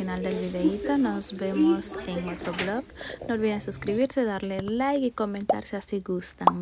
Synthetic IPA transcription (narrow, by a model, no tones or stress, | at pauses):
inald̪elβiðeit̪onɔzβemoseŋot̪ɾoβlɔknolβiðeŋsuskɾiβiɾseðaɾlelajkikomẽnt̪a̰ɾseasiɡust̪aŋ